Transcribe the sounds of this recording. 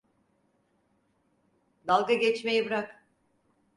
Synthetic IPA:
d̪alˠɡaɟet͡ʃmejibɯɾak

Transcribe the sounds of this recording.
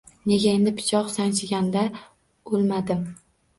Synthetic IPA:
ne̞ɡʲae̞nd̪ɪpʰɪ̥t͡ʃʰɒqsaŋt͡ʃʰɪɡʲand̪a | olˠmad̪ɪm

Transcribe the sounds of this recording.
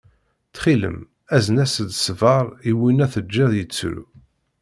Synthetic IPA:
θχilə̰m | æzənæsəd̪svɑɾˤiwinæθəd͡ʒːæðjət͡sːɾṵ

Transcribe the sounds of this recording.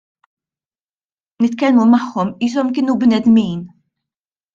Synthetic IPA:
nɪt̪kɛlmumɐħːɔmiːs̬ɔmkɪːnubnɛd̪miːn

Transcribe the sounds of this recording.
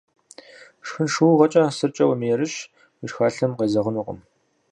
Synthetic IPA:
ʂxɨnʃuːʁɐt͡ʃʼɐsɨrt͡ʃʼɐwmeːɾɨʃ | wiʃxaːɬɐmqeːzɐʁənuːqʼə̰m

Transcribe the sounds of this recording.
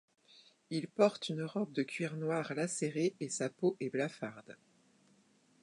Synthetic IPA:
ilpɔʁt̪ynʁɔb̚d̪əkʲʰɥiʁnwaʁlaseʁeesapoʔɛblafaʁd̪

